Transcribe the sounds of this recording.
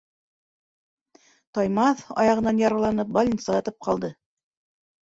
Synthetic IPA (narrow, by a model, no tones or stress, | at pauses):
t̪ɑjmɑθɑ̰jɑʁɤ̆nːɑnjɑɾɑ̆lˠɑnɤp̚balʲinsɑʁɑt̪ɤp̚qɑlˠd̪ɤ